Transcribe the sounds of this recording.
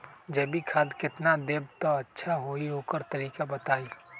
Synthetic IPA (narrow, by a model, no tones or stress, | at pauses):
d͡ʒɐbʱikʰaːd̪kɪt̪nad̪eːb̚t̪oɐtːʃʰaɦoːiɦoːkəɾt̪ɐɾiːkabɐt̪aːi